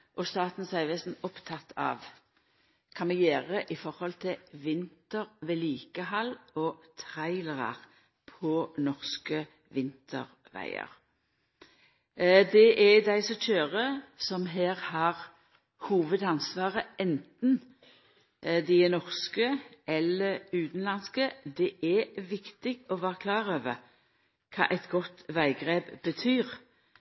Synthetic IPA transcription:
ʔɔst̪ɑːt̪n̩sæɪʋɛsn̩ɔpt̪ʰɑt̪ʰːɑ̰ːʋ | kʰɑnmɛjeːʁəʔɪfɔʁhɔlt̪ʰɪʋɪnt̪əʁʋeːliːkəhɑlːɔt̪ʰʁæɪləʁɑ̰ʁ | pʰɔnɔʁskə | ʋɪnt̪ʰə̰ʁ | ʋæ̰ɪə̰ʁ | d̪ɛʔɛd̪æɪsɔc͡çøːʁəsɔmɦæːʁhɑʁ | huːʋəd̪ɑnsʋɑːʁəɛnt̪n̩ | d̪ɪnɔʁskəɛlːəʉːt̪n̩lɑnskəd̪ɛʔɛʋɪkt̪ɪɡɔʋɑːʁəkʰlɑːʁøːʋə | kʰɑ̰ːʔɛɪt̪ɡɔt̪ʋæɪɡʁeːbbət̪ʰyːʁ

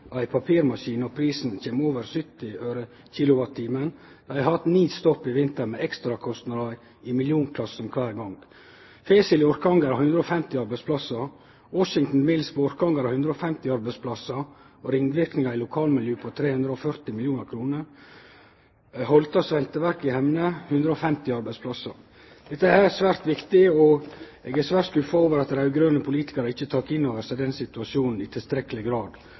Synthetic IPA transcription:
æɪpʰɑpʰiːɾmɑʃiːnɔpʰɾiːsn̩çeːmoːʋəɾsʏt̪ːɪføːɾə | çiːlʊʋɑt̪ʰːiːmən | d̪̥ææɪhɑt̪niːst̪ɔpːɪʋɪnt̪əɾmeɛkst̪ɾɑkʰɔst̪nɑd̪ɑ | ɪmɪljuːnkʰlɑsn̩kʰʋæːɾɡɑŋɡ | fesɪlɪɔɾkɑŋɡɑɾɑhʉnd̪ɾəɔːfɛmt̪ɪɑɾbæɪspʰlɑsɑ | wɔʃɪŋt̪n̩mɪlspʰɔɔɾkɑŋɡɑɾɑhʉnd̪ɾəɔːfɛmt̪ɪɑɾbæɪspʰlɑsɑ | ɔɾɪŋʋɪɾknɪŋɑɾɪlʊkʰɑːlmɪljøːpʰɔt̪ʰɾeːhʉnd̪ɾəɔfœɾt̪ɪmɪljuːnəɾkʰɾuːnəɾ | hɔlt̪ɑsʋɛlt̪əʋæɾkɪhɛmnəhʉnd̪ɾəɔfɛmt̪ɪɑɾbɛɪspʰlɑsɑ̰ | d̪̥ɛt̪ːəæsʋæːɾt̪ʋɪkt̪ɪɔɛːɡæsʋæːɾʈt̪skʉfəoːʋəɾɑt̪̚d̪ɾæʉɡɾøːnəpʰʊliːt̪ɪ̥kɑɾəɪçːət̪ʰɑːkɪnːoːʋəɾsɛɪd̪ɛnsɪt̪ʉɑʂjuːnn̩ɪt̪ʰɪlst̪ɾɛkːəlɪɡɾɑːd̪

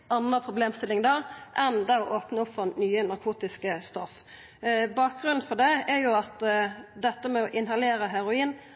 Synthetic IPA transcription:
ɑnːəpʰʁʊbleːmst̪ɪlɪŋd̪ɑːʔɛnd̪ɑɔʔoːpnəʊpfɔnyːənɑɾkʰuːt̪ɪskəst̪ɔf | bɑːk̚ɡʁʉnn̩fɔd̪ɛɛɾjʊɑt̪d̪ɛt̪ːəmɛɔʔɪnɦɑleːɾəɦɛɾʊiːn

